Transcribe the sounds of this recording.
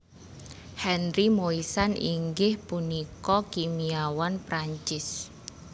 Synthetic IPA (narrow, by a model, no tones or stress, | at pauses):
hɛnɾimoisanḭŋɡɪhpunikɔkimiawanpɾaɲt͡ʃɪs